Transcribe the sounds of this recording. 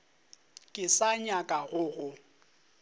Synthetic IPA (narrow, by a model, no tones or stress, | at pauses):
kʼɪsaɲakʼaɣʊɣʊ